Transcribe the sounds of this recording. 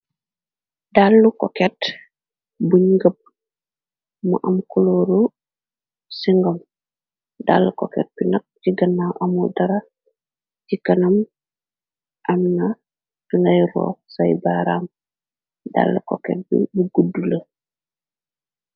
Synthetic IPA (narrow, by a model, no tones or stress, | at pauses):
dalːukoket | buɲɡəp̚ | mṵʔɐmkuloːɾu | siŋɡɐm | da̰lːukokḛt̚binɐk̚ciɡɐnːaʔamudɐɾɐ | cikɐnɐm | ʔɐmna | tiŋɡɐjɾɔ̰ːsɐjbaɾa̰ːm | da̰lːuko̰kḛt̚bḭbuɡudulɐ